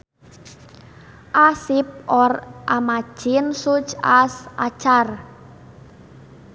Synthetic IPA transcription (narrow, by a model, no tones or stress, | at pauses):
ʔasɪp̚ʔɔrʔamḁʒ̥ɪnsut͡ʃasʔat͡ʃar